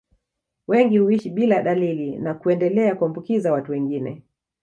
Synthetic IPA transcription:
wɛŋɡihuiʃiɓilaɗalilinakuɛndɛlɛakuambukizawatuwɛŋɡinɛ̰

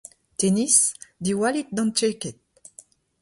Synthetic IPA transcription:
t̪enisd̪iwalit̪̚d̪ɑ̃nɛkɛt̪̚

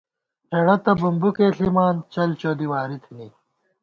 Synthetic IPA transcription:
pʰeɽɐt̪ɐbumbukeːɬimaːnt͡ɕɐlt͡ɕoːd̪iwaːɾit̪ʰini

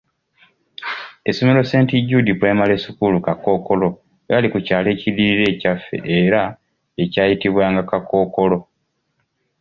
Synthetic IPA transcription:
esomelo̞se̞ːntiɟːudipwe̞ːmale̞ːsukulukako̞ːko̞lo̞ | eβalikucaːle̞ːciɾiɾe̞ːcafːe̞̰ʔeɾa | e̞caːjitiβwaːŋɡakako̞ːko̞lo̞

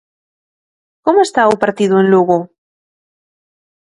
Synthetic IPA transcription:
komoest̪aupaɾt̪iðʊenluɣo

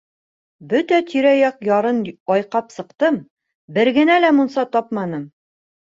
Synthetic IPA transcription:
bɵt̪æt̪ʰiɾæjɒqjɒɾɤnɒjqɑpsɤ̆qt̪ɤm | bɘ̆ɾɡɘ̆nælæmunsɑt̪ɒpmɑnɤm

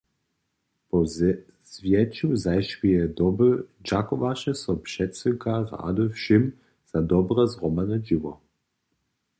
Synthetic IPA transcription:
pɔ | z̥vjɛt͡ʃuzajʃvijɛd̪ɔbəd͡ʒakɔvaʃɛsɔpʃɛtsəkaʁa̰d̪əfʃim | z̥ad̪ɔbʁəzʁɔmanəd͡ʒivɔ

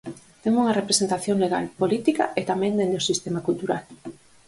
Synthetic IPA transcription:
t̪eŋuŋɐrepɾesent̪aθjoŋleɣa̰lpolit̪ikɐ̰ʔet̪amɛ̃ŋd̪end̪osist̪emakult̪uɾal

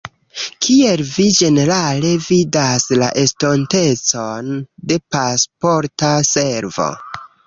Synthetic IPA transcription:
kʰie̞lvid͡ʒe̞ne̞ɾale̞vidaslaʔe̞sto̞nte̞t͡so̞nde̞paspo̞ɾtase̞ɾvo̰

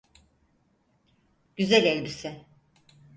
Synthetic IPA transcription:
ɟ̥yzælʲelʲbisɪ

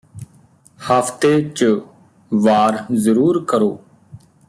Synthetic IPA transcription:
həft̪eːt͡ʃə | ʋaːɾzəɾuːɾkəɾoː

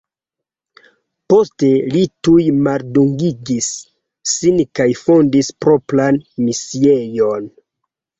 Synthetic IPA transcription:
po̞ste̞litujmalduŋɡiɡisː | inkajfo̞ndispɾo̞planmisiejon

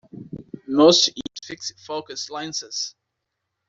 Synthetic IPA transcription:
nɔsitfɪksfokəslãɪ̃nsɛs

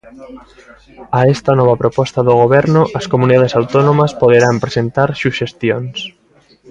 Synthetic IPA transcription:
aɛst̪ɐnɔβ̞ɐpɾopɔst̪aðoɣ̞oβ̞ɛɾnʊʔɐskomuniðaðesawt̪ɔnomɐspoðeɾampɾesent̪aɾsuʃest̪jons

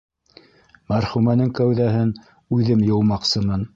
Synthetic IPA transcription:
mæɾχumænɘŋkæwðæɦɘn | ʉðɘmjɤ̆w̪ˠmɑqsɤmɤn

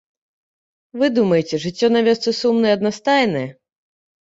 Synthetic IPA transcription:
vɨd̪umɐjet͡sʲɛʐɨt͡sʲːɔnavʲɛst̪sɨsumnɨjɛɐd̪nast̪ajnɐjɛ

